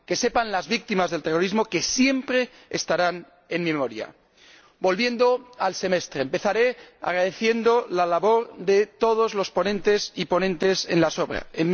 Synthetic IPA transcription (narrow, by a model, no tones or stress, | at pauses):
ke̞se̞panlazβik̚t̪imazðe̞lt̪e̞ro̞ɾizmo̞ke̞sje̞mpɾe̞ | est̪aɾan | enmemo̞ɾja̰ | bo̞lβje̞nd̪o̞alse̞me̞st̪ɾe̞ːmpe̞θaɾe̞a̰ɣɾaðe̞θje̞nd̪o̞lalaβo̞ɾðe̞t̪o̞ð̞o̞zlo̞spo̞nẽ̞nt̪e̞sipo̞nẽ̞nt̪e̞se̞nlaso̞βɾa̰en